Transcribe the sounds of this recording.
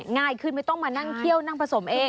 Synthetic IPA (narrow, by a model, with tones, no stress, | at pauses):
ŋaː˧˩jkʰɯː˧˥˩nma˥˩jt̪ɔ˥˩ŋmaː˧na˥˩ŋt̪ʰi˥˩əwna˥˩ŋpʰa˧so˩˦mʔeː˧